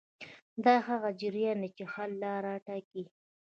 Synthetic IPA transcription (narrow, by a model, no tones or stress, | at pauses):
d̪ɑhaɣad͡ʒɪɾjɑnet͡ʃexalːɑɾɑʈɑki